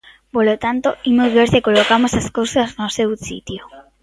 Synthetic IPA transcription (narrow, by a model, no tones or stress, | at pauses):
polot̪ant̪oimozβeɾsekolokamosaskowsaznosewsḭt̪jo